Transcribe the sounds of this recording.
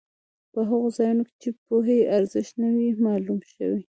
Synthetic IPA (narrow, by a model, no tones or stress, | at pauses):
pəɦaɣozɑjunoke̥t͡ʃepoɦeʔaɾzɪʃt̪nawimɑlumʃə̰wi